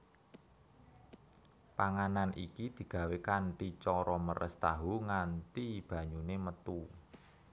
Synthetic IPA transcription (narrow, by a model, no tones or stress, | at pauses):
paŋananʔḭkid̪̥i̤ɡ̥ä̤wekanʈit͡ʃɔɾɔməɾʔə̰st̪aɦuŋant̪ib̥ä̤ɲunemət̪u